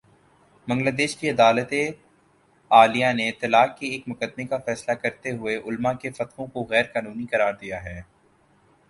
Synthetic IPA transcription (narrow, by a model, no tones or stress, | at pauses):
bɐ̃ŋɡlaːd̪eːʃkiɐd̪aːlət̪e | aːlijãneɪt̪ːɪlaːkːeeːkmʊkəd̪̚mekafɛːslakɐɾt̪eɦʊeʔʊlmakefɐt̪qõkoɣɛːɾkaːnuːnikɐɾaːɾd̪ijaɦɛː